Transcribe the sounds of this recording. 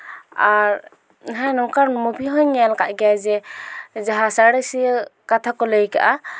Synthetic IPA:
aɾ | ɦajnɔkaɾmubʱiɦɔɲːalka̰ʔɡɛjad͡ʒɛd͡ʒaɦasaɽesikat̪ʰakɔləjka̰ʔa

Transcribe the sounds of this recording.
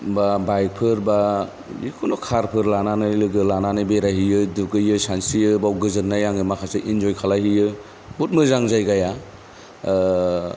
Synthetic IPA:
babajk̚pʰɯɾba | jikʰunɔkʰaɾpʰɯɾlananɯjlɯɡɯlananɯbeɾaɦijɯduɡɯjɯsansijɯbawɡɯzɯɾnːajaŋɯmakʰaseʔind͡ʒɔjkʰalahijɯ | but̚mɯzaŋzajɡaja

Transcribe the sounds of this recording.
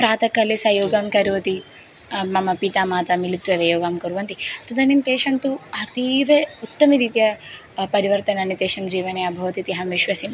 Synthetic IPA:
pɾaːt̪ɐkɐlesɐjoːɡaːmkɐɾuʋɐt̪i | mɐmɐpit̪aːmaːt̪ɐmilit̪ːʋɐʋɐjoːɡaːmkɐɾuʋɐnt̪it̪ɐd̪ɐnimt̪eːʃɐnt̪uɐt̪iːʋeut̪ːɐmiɾit̪jɐ | pɐɾiʋɐɾt̪ɐnɐnit̪eːʃɐmd͡ʒiːʋɐneɐbʱɐʋɐt̪it̪iɦɐmʋiʃʋɐsim

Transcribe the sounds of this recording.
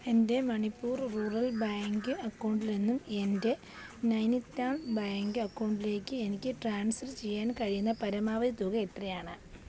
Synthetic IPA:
e̞nde̞mɐɳipːuːrruːrɐlbaːŋɡɨɐkːɐwɳɖilenːume̞nde̞ | nɐjnit̪ːaːɭbaːŋɡɨɐkːɐwɳɖile̞ːkʲːɨe̞nikʲːɨʈraːɳsɐrt͡ɕe̞jːaːnkɐɻijunːɐpɐɾɐmaːʋɐðit̪uɣɐet̪rɐjaːɳɨ

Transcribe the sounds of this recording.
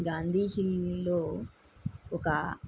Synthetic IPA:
ɡaːnd̪ʱiːɦilloː | ɔkɐ

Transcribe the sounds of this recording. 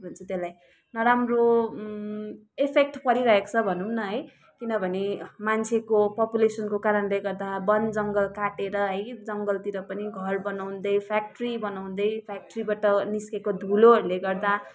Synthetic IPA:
bʱʌnt͡sʰʌt̪elaj | nʌɾamro | epʰek̚ʈpʌɾiɾʌɦekt͡sʰʌbʱʌnunʌɦʌj | kinʌbʱʌnemant͡sʰekopʌpulesʌnkokaɾʌnleɡʌrd̪abʌnd͡zʌŋɡʌlkaʈeɾʌɦʌjd͡zʌŋɡʌlt̪iɾʌpʌniɡʱʌrbʌnaw̃nd̪ʌjpʰak̚ʈribʌnaw̃nd̪ʌjpʰjak̚ʈribaʈʌniskekod̪ʱuloɦʌɾuleɡʌrd̪a

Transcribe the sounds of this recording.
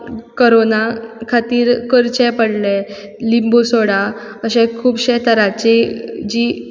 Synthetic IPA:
koɾonakʰat̪iːɾkəɾt͡ɕɛpəɽle | limbosoɽa | əɕẽkʰuːbɕet̪əɾat͡ɕed͡ʑiː

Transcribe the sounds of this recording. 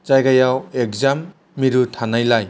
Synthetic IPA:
zajɡajawek̚zamː | iɾutʰanajlaj

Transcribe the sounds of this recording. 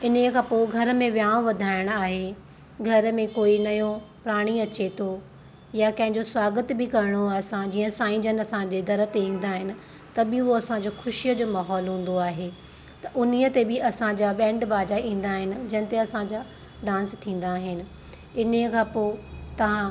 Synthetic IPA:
ɪnkʰãːpoːɡʱɐɾə̆mẽʋjaːõʋɐd̪ʱaːɪɽ̃aːɦe | ɡʱɐɾmẽkoːinɐjõpɾaːɽ̃iɐt͡ɕet̪ʰo | jakɐ̃ɦɪ̃ɲd͡ʑoswaːɡət̪bɪkɐɾɪɽ̃oaːsãd͡ʑiːə̃saːɪ̃d͡ʑənɐsãd͡ʑed̪ɐɾə̆t̪eĩːn̆d̪aːɦɪnɪ̆ | t̪ɐbɪʊɦoɐsãd͡ʑoːxʊʃijəd͡ʑoːmaːɦɔːlɦũːn̆d̪oaːɦeː | t̪ɐʔʊniət̪ebɪʔɐsãd͡ʑaɓɛ̃ːɳɖbaːd͡ʑaĩːn̆d̪aːɦɪnɪ̆d͡ʑɐɪñɪ̆t̪eɐsãd͡ʑaː | ɖãːnst̪ʰĩːn̆d̪aːɦɪnɪ̆ | ɪnikʰãːpot̪ɐʋ̤ã

